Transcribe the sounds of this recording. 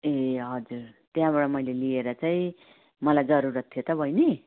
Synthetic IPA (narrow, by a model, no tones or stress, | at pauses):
eɦʌd͡zurt̪jãbaɽʌmʌjlelieɾʌt͡saĩ | mʌlajd͡zʌɾuɾʌt̪ʰːijot̪ʌbʱʌjne